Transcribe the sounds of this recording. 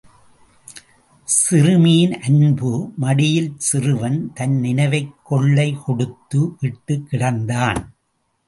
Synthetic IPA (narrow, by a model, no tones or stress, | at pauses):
sɪrɯmiːnʔɐnbɯmɐɽɪjɪlsɪrɯʋɐnt̪ɐnnɪnɐɪʋɐɪkːɔɭːɐɪkɔɽɯt̪ːɯʋɪʈːɯkːɪɽɐnd̪aːn